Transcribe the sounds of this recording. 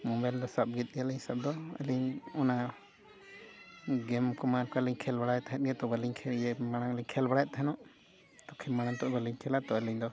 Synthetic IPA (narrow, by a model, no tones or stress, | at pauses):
mɔ̃mbajld̪ɔsap̚ɡɛt̪̚ˀjaliɲsap̚d̪ɔə̰liɲɔna | ɡɛmkɔmaɾkaliɲkʰɛlbaɽajɛt̪aɦɛt̪̚jɛt̪ɔbaliɲkʰɛjɛmaɽ̃aŋliɲkʰɛlbaɽajɛʔt̪aɦɛnɔʔ | t̪ɔkʰɛmaɽ̃ant̪ɔʔbəliɲkʰɛlat̪ɔəliɲd̪ɔ